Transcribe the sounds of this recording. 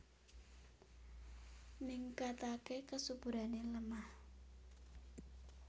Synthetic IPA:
miŋkat̪akekəsubuɾaneləmah

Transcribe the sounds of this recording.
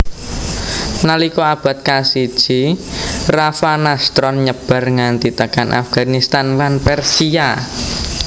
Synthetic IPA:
nalikɔab̥a̤t̪̚kasid̥ʒ̥i | rafanast̪ɾɔnɲəb̥a̤rŋant̪it̪əkanʔa̰fɡ̥anist̪anlanpɛrsia

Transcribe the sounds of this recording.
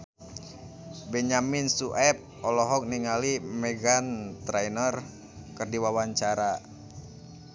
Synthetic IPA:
bɛɲaminsuʔɛp̚ | ɔlɔɦɔk̚niŋalimɛɡant̪ɾainər | kərdiwawaɲt͡ʃaɾa

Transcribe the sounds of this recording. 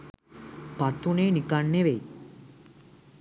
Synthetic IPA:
pat̪unenikaɳːeʋej

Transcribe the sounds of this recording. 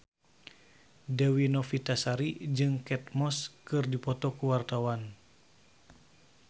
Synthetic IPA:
dəwinɔfit̪asaɾid͡ʒɨŋkɛt̪̚mɔskɨrdipɔt̪ɔkuwart̪awan

